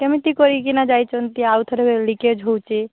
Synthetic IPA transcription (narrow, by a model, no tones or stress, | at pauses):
kemit̪ikɔɾikinad͡ʒajt͡ʃɔnt̪iawt̪ʰəɾeeliked͡ʒʱowt͡ʃi